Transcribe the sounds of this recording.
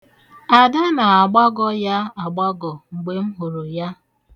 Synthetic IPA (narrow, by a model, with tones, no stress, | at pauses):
a˨da˦na˨a˨ɡ͡ba˦ɡɔ˦ja˦a˨ɡ͡ba˦ɡɔ˨ŋ͡m̩˨ɡ͡be˦m̩˦ɦu˨ɾo˨ja˦